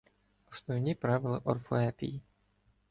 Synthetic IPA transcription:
ɔsnɔwnʲipɾaʋɪlˠɪʔɔrfɔɛpʲḭji

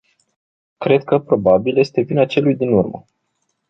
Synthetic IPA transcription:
kɾe̞d̪̚kəpɾo̞babilje̞st̪e̞vinat͡ʃe̞lujd̪inurmə̰

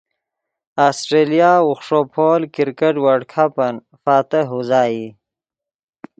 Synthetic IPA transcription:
aːsʈɾelijaːwuxʂopʰoːlkiɾkɐʈwaɽkʰapɐn | faːt̪əɦuzaːji

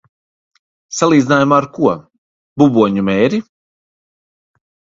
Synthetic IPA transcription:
salˠiːd̪zinaːjumaːɾkuɔ | bubuɔɲumɛːɾi

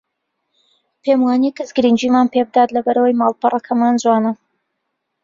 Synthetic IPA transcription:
pʰemwaːnikɨzɡɨɾind͡ʒiːmaːnpe̞bɨd̪aːt̪lɐbɐɾɐwəjmaːlˠpɨrɐkʰɐmaːnd͡zwaːnɐ

